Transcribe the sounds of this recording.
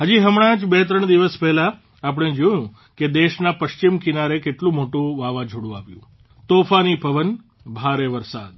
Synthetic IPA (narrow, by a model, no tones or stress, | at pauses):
ɦəd͡ʒiɦəmɽ̃ãd͡ʒbet̪̬ɾəɳd̪iʋəspɛɦlaː | p̬əɳ̃ed͡ʒojũ | ked̪eʃnapəʃt͡ʃimkinaɾekeʈlũmoʈũʋaʋãd͡ʒʱoɽũaʋjṵ̃ | t̪ofanipəʋən | bʱaɾeʋəɾsa̰d̪̚